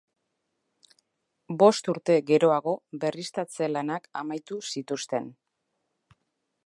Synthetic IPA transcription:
bo̞st̪uɾt̪e̞ɣe̞ɾo̞aɣ̞o̞βe̞rist̪at͡se̞lanaka̰majt̪usit̪ust̪e̞n

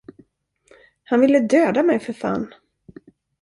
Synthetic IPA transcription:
hanvɪlːəd̪øːd̪amɛjfœɾfa̰nː

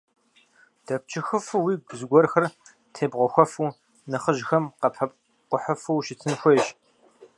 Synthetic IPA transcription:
d̥ɐp̚t͡ʃʰɪxɨfɨwiːɡʷzɡʷɔrxɐr | tʰeːbʁʷɔxʷɔfuː | nɨχəʒxɐmqɐpʰɐ | qʷʊħəfuwʃɪtʰɨnxʷeʒ

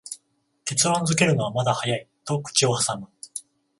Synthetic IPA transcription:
k̪e̞t͡sɨɾõnd͡zɨke̞ɾɯ̟no̞β̞amad̪ahajait̪o̞kɯ̥t͡ɕio̞hasamɯ̟

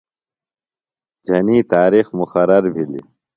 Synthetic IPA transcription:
d͡ʑʱɐniːt̪aːɾixmuxɐɾɐɾbʱilḭ

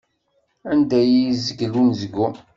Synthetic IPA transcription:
ænd̪æjiizəɡlunzəɡːu

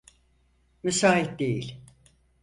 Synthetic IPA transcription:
mysaːɦit̪̚d̪ejilʲ

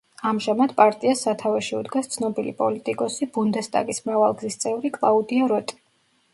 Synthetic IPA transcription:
amʒamad̪̥pʼaɾt̪ʼiasat̪ʰavɛʃiṵd̪ɡast̪sʰnɔbilipʼɔlit̪ʼikʼɔsibund̪ɛst̪ʼa̰ɡismɾavalˠɡzist̪sʼɛvɾikʼlˠaud̪iaɾɔt̪ʼi̥

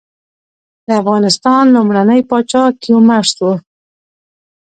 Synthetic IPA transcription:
d̪əafɣɑnɪst̪ɑnlʊmɾanəjpɑt͡ʃɑkiumaʂt̪wə

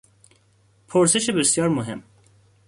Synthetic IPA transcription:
pʰoɾse̞ʃebesjɒːɾmoɦe̞̰m

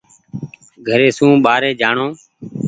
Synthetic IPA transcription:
ɡʱəɾeːsũːɓaːɾeːd͡ʒaːɳõː

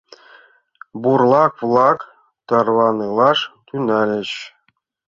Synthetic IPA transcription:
burlˠɑkvlˠɑk | t̪ɑrʋɑnɯlˠɑʂt̪ʲynɑlʲɘ̆ɕ

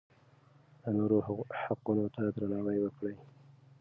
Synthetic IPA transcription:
d̪ənoɾohaqunot̪ad̪ɾanɑwajwəkɽəj

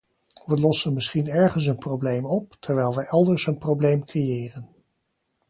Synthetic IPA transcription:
ʋəlɔsənmɪsχinɛɹχəns̬ənprowblejmɔptʰɛɹʋɛjlˠʋəʔɛlˠdəɹsənprowblejmkrejɪːrən

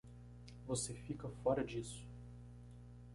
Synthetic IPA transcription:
vosefikɐfɔɾɐd͡ʒisʊ̥

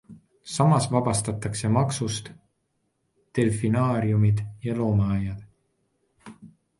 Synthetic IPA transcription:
sɑmɑsvɑb̥ɑst̪ɑt̪ːˑɑkse̞mɑksust̪ | e̞lfinɑːɾjumid̪̥jɑlo̞ːmɑɑjːɑd̪̥

